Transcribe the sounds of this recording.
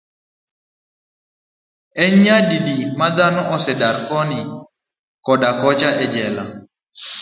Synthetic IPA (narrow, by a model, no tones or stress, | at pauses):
ɛɲɲadidimad̪anɔʔɔsɛdaɾkɔnɪ | kɔdakɔt͡ʃaʔɛd͡ʒɛla̰